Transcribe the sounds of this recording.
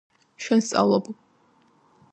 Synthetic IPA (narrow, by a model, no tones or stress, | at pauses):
ʃɛnst̪sʼa̰vlˠɔb